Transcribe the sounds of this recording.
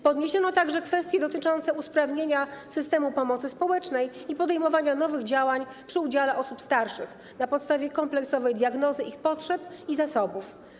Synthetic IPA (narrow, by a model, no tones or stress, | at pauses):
pɔd̪ɲeɕɔnɔt̪aɡʐɛkfɛst̪ʲjɛd̪ɔt̪ɘt͡ʂɔnt̪sɛuspɾavɲeɲasɘst̪ɛmupɔmɔt̪sɘspɔwɛt͡ʂnɛj | ipɔd̪ɛjmɔvaɲanɔvɘɣd͡ʑawaɲ | pʂɘud͡ʑalɛʔɔsupst̪aɾʂɘ̰x | napɔt̪st̪avʲjɛkɔmplɛksɔvɛjd̪jaɡnɔzɘʔixpɔtʂɛpizasɔbuf